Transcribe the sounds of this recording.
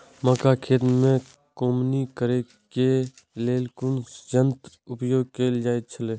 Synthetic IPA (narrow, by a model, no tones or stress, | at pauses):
məkakʰeːt̪mẽ | koːmnikəɾe | ke | leːlkʊnsd͡ʒənt̪ | ʊpjoːɡ̚keːld͡ʒaːet͡ʃʰəleː